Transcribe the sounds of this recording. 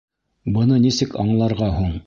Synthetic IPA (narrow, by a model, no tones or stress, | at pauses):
bɤ̆nɤnisɘkɑɴlˠɑɾʁɑɦuɴ